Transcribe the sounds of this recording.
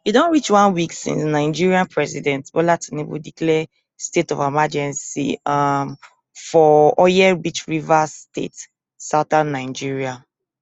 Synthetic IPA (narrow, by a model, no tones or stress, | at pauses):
judɔ̃nɹit͡ʃwãnwiksḭ̃nsnaɪd͡ʒiɹiãnpʰɹɛsidɛ̃ntbɔlatʰinibṵdiklɛ | stetɔvamad͡ʒɛ̃nsḭam | fɔɔjɛbit͡ʃɹivastʰḛt | saʊtãnːaɪd͡ʒiɹia